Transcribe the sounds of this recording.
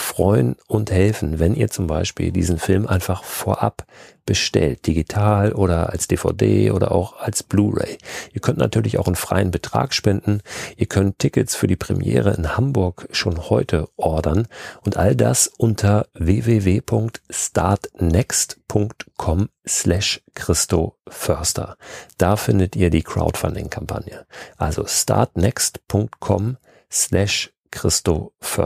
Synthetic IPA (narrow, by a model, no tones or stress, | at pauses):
fʁ̥ɔʏənʊnthɛlfn̩vɛnʔiːɐt͡sʊmbaɪʃpḭːldḭːzn̩fɪlmʔaɪnfaχfoːɐʔa̰pb̥əʃtɛ̰lt̚d̥iɡitʰaːlʔoːɾɐʔa̰lsd̥eːfa̰ʊdḛːʔoːɾɐ̰ʔa̰ʊxalsb̥luːʁḛɪʔiːɐkʰœntna̰tʰyːɐlɪça̰ʊxnfʁ̥a̰ɪənbətʁ̥a̰ːkʃpɛndn̩ʔiːɐkʰœntʰːɪkətsfyːɐdiːpʁ̥ɛ̰mjɛ̰ːʁ̞əʔɪnhambʊɐkʃoːnhɔʏtʰəʔɔɐdɐnʔʊntʔa̰lda̰sʔʊntʰɐveːveːveːpʰʊŋktstaɐtnɛkstpʰʊŋktkʰɔmslɛʃkʁ̥ɪstofœɐstɐ̰d̥aːfɪndətʔiːɐdiːkʁ̥a̰ʊtfa̰ndɪ̰ŋkʰampʰa̰njəʔalzo̰sta̰ɐtnɛkstpʰʊŋk̚tkʰɔm | slɛʃ | kʁ̥ɪstofœ